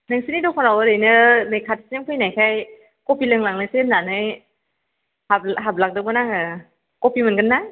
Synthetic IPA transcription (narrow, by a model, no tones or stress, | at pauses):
nɯŋsinidɔkʰɔnawɯɾɯjnɯnajkʰatsmkʰɯjnajkʰaj | kɔpilɯŋlaŋlɯsenːanɯj | habɦab̚lak̚dɯbɯnaŋɯ | kɔpimɯnɡɯnːa